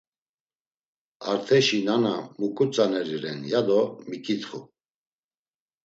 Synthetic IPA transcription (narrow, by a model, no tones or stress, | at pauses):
aɾt̪ʰɛʃinanamukʼut͡sʼanɛɾiɾɛnjad̪ɔmikʼit̪χu